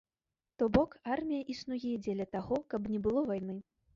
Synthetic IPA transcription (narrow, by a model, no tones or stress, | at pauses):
t̪ɔbɔkarmʲijɐʔisnujɛd͡zʲɛlʲɐt̪aɣɔkɐbnʲɛbɨlˠɔvajnɨ